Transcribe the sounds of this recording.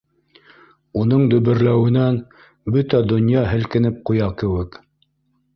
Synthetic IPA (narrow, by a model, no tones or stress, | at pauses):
unɤɴd̪ɵ̆βɘ̆ɾlæwɘ̆næn | bɵt̪æd̪ŏnjɑɦɘ̆lkɘ̆nɘp̚qujɑkɘ̆wɘk